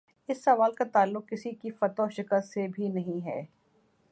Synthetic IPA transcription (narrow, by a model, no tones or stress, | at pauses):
ɪsːɐʋaːlkat̪aːlːʊq̚kɪsikifɐt̪ɔːʃɪkəlsebʱinɐɦĩɦɛ̰ː